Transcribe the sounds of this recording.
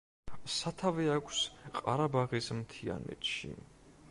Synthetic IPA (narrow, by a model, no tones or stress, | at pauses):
sat̪ʰavɛakʷʰsqʼaɾabaʁismt̪ʰia̰nɛ̰t̪ʃḭ